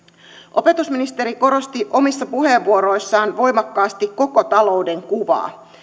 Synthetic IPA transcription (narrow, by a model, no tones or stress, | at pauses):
ʔo̞pe̞t̪usminist̪e̞ɾiko̞ɾo̞st̪iʔo̞misːɑpuɦe̞ːʋːuo̞ɾo̞jsːɑːnʋo̞jmɑkːɑːst̪ikːo̞ko̞t̪ɑlo̞wde̞ŋkuʋɑ̰ː